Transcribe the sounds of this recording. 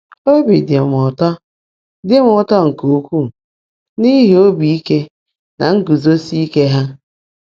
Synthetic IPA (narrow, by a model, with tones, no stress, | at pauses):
o˦bi˨de˨m˨ʊ˨tɔ˦ | dɪ˦m˦ʊ˦tɔ˦ŋ̩˨ko˨˦kʷu˦˨ | ni˦ɦi˨o˦bi˨i˦ke˦ | na̰˨ŋ̩˦ɡu˨zo˦si˦i˦ke˦ɦa˦